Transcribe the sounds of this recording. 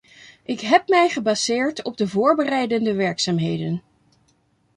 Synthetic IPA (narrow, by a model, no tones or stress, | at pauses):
ʔɪkɦɛpmɛjχəbaz̥ɪːɹtɔb̚dəvʊːɹbərɛjdəndəʋɛɹksaːmɦejdən